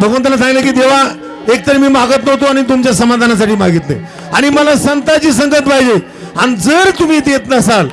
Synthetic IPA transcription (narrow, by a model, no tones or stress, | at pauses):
bʱəɡʋənt̪alas̬ãŋɡlekiːd̪eʋ̤a | ek̚t̪əɾemiːmaɡət̪nəɦt̪oaɽ̃it̪̬umt͡ɕjasəmad̪ʱanas̬aʈʰiːmaɡit̪lḛ | aɽ̃iməlasənt̪at͡ɕiːsəŋɡət̪̚paɦid͡ʑe | añid͡zəɾt̪um̤iːt̪et̪nəsal